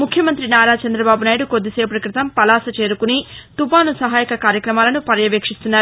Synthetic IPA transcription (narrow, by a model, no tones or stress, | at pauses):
mukʰjɐmɐnt̪ɾinaːɾaːt͡ʃɐnd̪ɾɐbaːbunaːjɽuko̞d̪ːise̞ːp̬ɾɐkɾɪt̪ɐmpɐlaːsɐt͡ʃe̞ːɾukunit̪upaːnusɐɦaːjikɐkaːɾjɐkɾɐmaːlɐnupɐɾɐjɐʋeːkʂist̪unːaːɾuu